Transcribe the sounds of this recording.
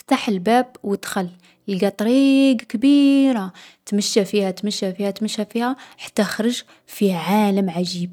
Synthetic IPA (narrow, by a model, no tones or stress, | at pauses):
ft̪aħəlbæbwəd̪xælː | iɡæt̪ˤɾiɡkbiɾat̪məʃːafihæt̪məʃːæfihæt̪məʃːæfihæħḁt̪ːæxɾˤəʒ | fiʕaləmʕaʒib̚